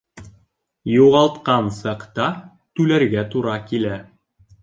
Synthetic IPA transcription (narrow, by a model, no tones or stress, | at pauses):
juʁɑlˠt̪qɑnsɑqt̪ɑ | t̪ʉlæɾɡæt̪uɾɑkilæ